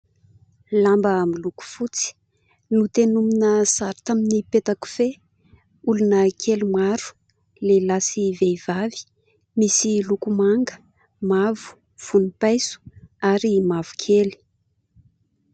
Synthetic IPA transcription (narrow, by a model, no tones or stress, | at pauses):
lambəamiluku̥fut͡si̥ | nut̪enuminəsaɾit̪aminipet̪aku̥fe | ulunəkʰelimaɾu̥ | lelasiveivavi̥ | misilukumaŋɡə̥ | mavu̥ | v̥unipajsu̥aɾimavu̥kʰeli̥